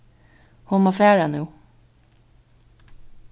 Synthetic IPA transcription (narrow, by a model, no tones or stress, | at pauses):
hʊmoːfæːɹanʉː